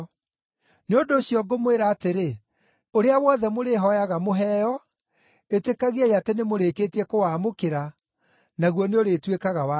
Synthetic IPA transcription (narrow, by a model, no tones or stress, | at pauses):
neondoːɕjɔɡomweɾaːteɾe | oɾeawɔðɛmoɾeɦɔjaɣamoɦɛːjɔ | etekaɣeajatenemoɾeːkeːtiɛkowaːmokeɾa | naɣwɔneoɾeːtwekaɣawa